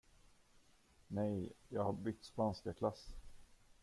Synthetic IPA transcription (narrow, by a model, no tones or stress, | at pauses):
nɛjjɑːɡhaɾbʏk̚t̪spanskakʰlasː